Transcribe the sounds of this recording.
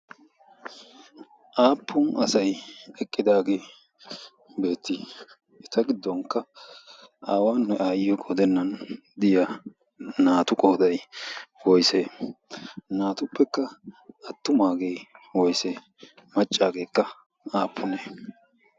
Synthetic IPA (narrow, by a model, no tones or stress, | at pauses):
ʔaːpʰːʊnɐsɐjɛkʼːɪd̪aːɡe̞ː | be̞ːt̪ːi | ɛt̪ɐɡɪd̪ːɔŋkːɐ | aːwaːnːɛʔaːjɪjɔkʼoːd̪ɛnːɐn | d̪ɪja | naːt̪ʊkʼoːd̪ɐjwɔjseː | naːt̪ʊpːɛkːɐɐt̪ːʊmaːɡejwɔjseː | mɐt͡ʃʼːaːɡe̞ːkːɐ | aːpʰːʊneː